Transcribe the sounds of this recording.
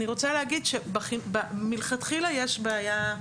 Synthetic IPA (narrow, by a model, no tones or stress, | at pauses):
niʁot͡saleɦaɡidʃebaχibamilχat̪χilajeʃbaːja